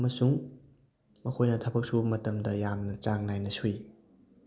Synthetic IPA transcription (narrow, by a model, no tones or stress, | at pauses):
ɐmɐsuŋ | mɐkʰojnɐtʰɐbʰɐk̚subɐmɐtɐmdɐjamnɐt͡ʃaŋ̚najnɐsuj